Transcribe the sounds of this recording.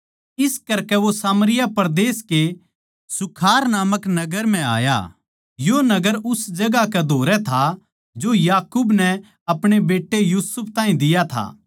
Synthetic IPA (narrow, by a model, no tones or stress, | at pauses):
ɪskɐɾkɛʋosaːməɾɪjapɐɾd̪eːske | sʊkʰaːɾnaːməknɐɡəɾm̤ɛ̃a̰ːja̰ː | jonɐɡəɾʊsd͡ʒɐɡakɛd̪ʱoːɾɛt̪ʰa | d͡ʒojaːkuːbnɛ | ɐpɽ̃ebeːʈːejuːsʊp̚ʰt̪ãːɦĩd̪ɪjat̪ʰa̰ː